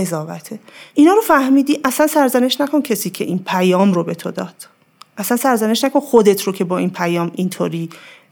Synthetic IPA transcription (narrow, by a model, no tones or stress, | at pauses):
ezɒːvæ̰t̪ʰeʔinɒːɾofæhmiːd̪iːʔæsænsæɾzæne̞ʃnækʰo̞ncʰe̞siːcʰe̞̰ʔinpʰæjɒːmɾobe̞t̪ʰod̪ɒːd̪̥ | ʔæsænsæɾzæneʃnæko̞nxod̪e̞t̪ʰɾocʰe̞bɒːʔiːnpʰæjɒːmʔint̪ʰoːɾiː